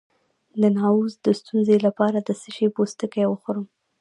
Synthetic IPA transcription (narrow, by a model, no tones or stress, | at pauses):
d̪ənɑuzd̪əst̪unzelapɑɾad̪əsəʃepost̪əkəjwəxoɾəm